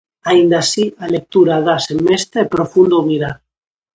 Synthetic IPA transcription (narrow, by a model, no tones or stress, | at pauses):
aind̪asialek̚t̪uɾaðasemest̪aepɾofund̪oumiɾaɾ